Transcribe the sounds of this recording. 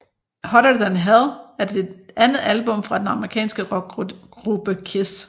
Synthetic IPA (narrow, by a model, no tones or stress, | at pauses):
hɒɾəd̥ænɦæðˠæɐd̥e̝d̥ʔænð̩ˠælb̥ɔ̽mfʁɑ̈d̥enɑ̈məʁikʰɛ̰ːnsɡ̥ə̥ɡ̥ʁub̥əkʰesd̥